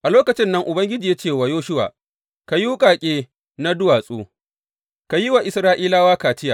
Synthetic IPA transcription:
ʔa˨loː˦kɐ˨t͡ʃɪ˦nːɐ˦ŋʔʊ˨bɐ˦ŋɡʲɪ˦d͡ʒiː˨ja˦t͡ʃeː˦˨waː˨joː˦ʃʊ˦wa̰ː˨ | ka˨juː˦kʼaː˨kʲʼeː˦ | na˦dʊ˦waː˨sʼuː˦ | ka˨jɪ˦wa˨ʔɪ˨sɾaː˦ʔiː˦laː˦waː˦kaː˨tɪ˦jaː˨

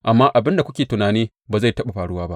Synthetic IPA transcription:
ʔa˨mːaː˦ʔa˨bɪ˦nda˨kʷʊ˦kʲeː˨tʊ˨naː˨niː˦ | baː˨za˦˨jtɐ˦ɓa˨ɸaː˨ɽʊ˦waː˦ba˦ʔ

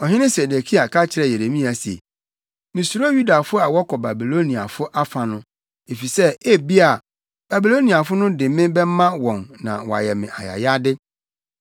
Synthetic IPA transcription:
ɔ˨ɦɪ̃˦nɪ̃˦se˨de˨kʰi˦a˨kʰa˦t͡ɕʰɪ˨ɾɛ˦˨je˨ɾe˨mĩ˦a˨si˨ḛ˨ | mĩ˨su˨ɾo˦ju˦da˨fʊ˦a˨wɔ˦kʰɔ˨ba˨bi˨lo˦nĩ˨a̰˨fʊ˦ʔa˦fã˨nʊ̃˦ | e˨fi˨sɛ˦e˦bi˦a˨ | ba˨bi˨lo˦nĩ˨a˨fʊ˦nʊ̃˦dɪ̃˨mɪ̃˦bɛ˦mã˦wɔ̃˨nnã̰˨wɔ˨a̰˨jɛ˨mɪ̰̃˨ʔa̰˨ja̰˨ja˦dɪ˦

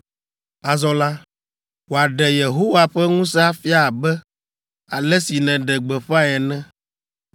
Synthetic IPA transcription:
a˨zɔ˨la˦ | wo˨a˨ɖɛ˨je˨ɦo˦wa˨ɸɛ˦ŋũ˦sɛ˦a˦fi˦a˦˨bɛ˦ | a˨lɛ˦si˨nɛ̃˨ɖɛ˨ɡ͡bɛ˨ɸa˦ɛ˨nɛ̃˦

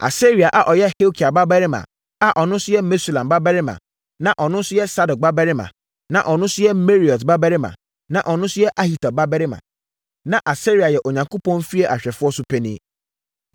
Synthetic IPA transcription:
ʔa̰˨se˦ɾi˨a˨ʔa˨ʔɔ˨jɛ˦he˦o˦kʰi˨a˨ba˦bɛ˦ɾɪ˦mã̰˨ | a˨ʔɔ˨nʊ̃˦sʊ˦jɛ˦me˦se˦˨lã˨mba˦bɛ˦ɾɪ˦mã̰˨ | nã˨ʔɔ˨nʊ̃˦sʊ˦jɛ˦sa˦dɔ˨k̚ba˦bɛ˦ɾɪ˦mã̰˨ | nã˨ʔɔ˨nʊ̃˦sʊ˦jɛ˦me˦ɾi˨ɔ˨tba˦bɛ˦ɾɪ˦mã̰˨ | nã˨ʔɔ˨nʊ̃˦sʊ˦jɛ˦ʔa˦hi˨ta˨ba˦bɛ˦ɾɪ˦mã̰˨ | nã˨ʔa˨se˦ɾi˨a˨jɛ˨ʔo˨ɲã˨ŋko˦pʰɔ̃˦nfi˦e˦ʔa˨ɕᶣɛ˨fʊ˦ɔ˦sʊ˦pʰɛ˦nĩ˦

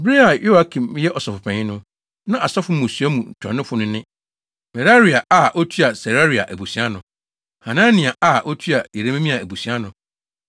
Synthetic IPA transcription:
bɾi˦a˨jo˦a˦kʰĩ˨m˦jɛ˦ʔɔ˨sɔ˨fʊ˨pʰɛ̃˨ɪ̃˦nʊ̃˦ | nã˦ʔa˨sɔ˦fʊ˨˦mõ˨sɥa˦mũ˨n̩˨tʰɔ̰̃˨nɪ̃˦fʊ˦nʊ̃˦nɪ̃˦ | mɛ˨ɾa˦ɾi˨a˨ʔa˨ʔɔ˦tʰu˦a˨sɛ˨ɾa˦ɾi˨a̰˨ʔæ˨bu˨si˨˦a˦nʊ̃˨ | hã˨nã˦nɪ̃˨a˨ʔa˦˨ʔo˦tʰu˦a˨je˨ɾe˦mẽ˦mĩ˦a˨æ˨bu˨si˨˦a˦nʊ̃˨

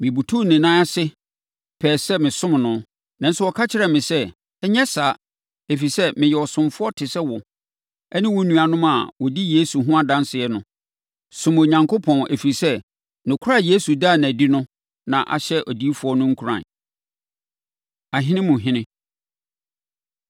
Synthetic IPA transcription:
mɪ̃˨bu˨tʰu˦nɪ̃˨nã˦a˦sɪ˦ | pʰɛː˨sɛ˦mɪ̃˨sʊ̃˦m˨nʊ̃˦ | nã˨n̩˦sʊ˦wɔ˨kʰa˦t͡ɕʰɪ˦ɾɛ˨mɪ̃˨sɛ˦ | ɛ˦ɲɛ˦saː˨˦ | e˨fi˨i˨sɛ˦mɪ̃˨jɛ˨ɔ˨sʊ̃˨mfʊ˦ɔ˦tʰɪ˨sɛ˦wɔ˨ | ɛ˦nɪ̃˦wɔ˦nũ˨a˨nʊ̃˦ma̰˨wɔ˨di˦jeː˦su˨ɦʊ̃˦a˦˨dã˦nsɪ˨ɛ˦nʊ̃˦ | sʊ̃˨mo˨ɲã˨ŋkʰo˦pʰɔ̃˨nʔḛ˨fi˨i˨sɛ˦ | nʊ̃˨kʰʊ˦ɾa˦˨je˦su˨da˦˨nã˨di˦nʊ̃˦ | nã̰˨ʔa̰˨ɕɛ˦ʔɔ˨di˦fʊ˦ɔ˦nʊ̃˦ŋ̩˦kʰu˨˦ɾã̰˨ | a˨ɦɪ̃˦nɪ̃˦mʊ̃˨ɦɪ̃˦nɪ̃˦

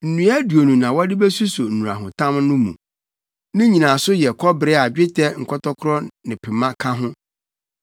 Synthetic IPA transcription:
n̩˨nũ˨˦a˦du˨o˨nũ˨nã˨wɔ˦dɪ˦bɛ˦su˦so˨n̩˨ũ˨ɾa̰˨ɦʊ̃˨tʰã˦m˦nʊ̃˦mṵ̃˨ | nɪ̃˦ɲĩ˨nã˨sʊ˦jɛ˨kʰɔ˦bɾɪ˦a˨d͡ʑᶣɪ˦tʰɛ˦ŋ̩˨kʰɔ˦tɔ˦kʰʊ˦ɾɔ˦nɪ̃˨pʰɪ˨mã˦kʰã˦ɦʊ̃˦

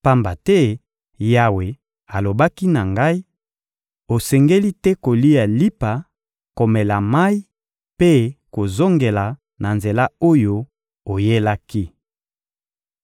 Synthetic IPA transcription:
pa˦mba˨tɛ˦ | ja˨we˨ | a˨lo˨ba˦ki˦na˨ŋɡa˦i˦ | o˨sɛ˨ŋɡe˦li˦tɛ˦ko˨li˦a˨li˦pa˨ | ko˨mɛ˨la˨ma˦i˦ | pe˦ko˨zo˦ŋɡe˨la˨ | na˨nze˨la˦o˦jo˦ | o˨je˦la˦ki˦

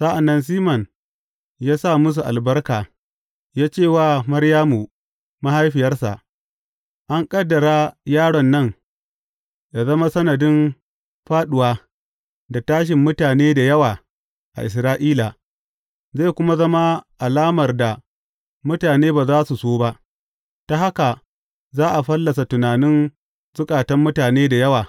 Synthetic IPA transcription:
sa˦ʔa˨nːɐ˦ns̬iː˦mɐ˨n | jaː˦sa˦˨mʊ˦s̬u˨ʔa̰˨lbɐ˦rkaː˨ | jaː˦t͡ʃeː˦˨waː˦˨mɐ˦ɾjaː˦mu˨ | ma˦ha˦jɸɪ˨jɐ˦rsa̰˨ʔ | ʔa˦ŋkʼɐ˦dːɐ˨ɾaː˦jaː˦ɽɔ˨nːɐ˦ŋ | ja˨zɐ˦ma˦sɐ˦nɐ˨dɪ˦m | ɸaː˦ɗʊ˨waː˦ | da˨taː˦ʃ̬ɪ˨mːʊ˦taː˨neː˦da˨jɐ˦waː˨ | ʔa̰˨ʔɪ˨s̬ɾaː˦ʔiː˦la˨ | zeː˦˨kʷʊ˦ma˦zɐ˦ma˦ʔa˨laː˦mɐ˨rda˨ | mʊ˦taː˨neː˦baː˨zaː˦su˨soː˦ba˦ʔ | ta˦ha˦ka˨ | zaː˦ʔa˨ɸɐ˦lːɐ˨s̬a˨tʊ˨naː˨nɪ˦n | zʊ˦kʼaː˨tɐ˦mːʊ˦taː˨neː˦da˨jɐ˦waː˨

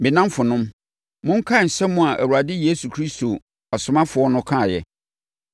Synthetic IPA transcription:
mɪ̃˨nã˦mfʊ˨nʊ̃˦m | mʊ̃˦ŋ̩˦kʰã˦˨n̩˨sɛ˦mʊ̃˦a˨ʔæ̰˨wu˨ɾa˨dɪ˦je˦su˨kʰɾi˦sto˨ | ɔ˨sʊ˨mã˦fʊ˨ɔ˦nʊ̃˦kʰã˦˨jɛ̰˨

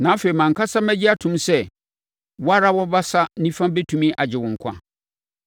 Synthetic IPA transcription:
nãː˨˦fe˨i˨mã˨ŋ̩˨kʰa˦sa˦mæ˦d͡ʑɪ˦a˦tʰʊ̃˨msɛ˦ | wɔ˦a˦ɾa˦wɔ˦ba˦sa˦nĩ˦fã˦be˦tʰũ˨mĩ˦ʔa˨d͡ʑɪ˨wʊ̃˨ŋ̩˨kʷʰã̰˦

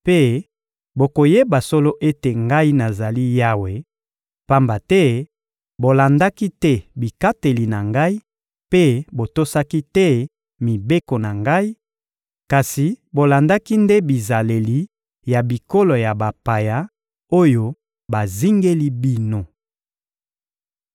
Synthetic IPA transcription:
pe˦ | bo˨ko˨je˦ba˨so˦lo˦ʔe˦te˨ŋɡa˦i˦na˨za˨li˦ja˦we˨ | pa˦mba˨tɛ˦ | bo˨la˨nda˦ki˦tɛ˦bi˨ka˦te˨li˨na˨ŋɡa˦i˦ | pe˦bo˨to˦sa˦ki˦tɛ˦ | mi˨be˦ko˨na˨ŋɡa˦i˦ | ka˨si˨bo˨la˨nda˦ki˦nde˦bi˨za˨le˨li˨ | ja˨bi˨ko˦lo˨ja˨ba˨pa˨ja˨ | o˦jo˦ | ba˨zi˦ŋɡe˦li˦bi˦no˨

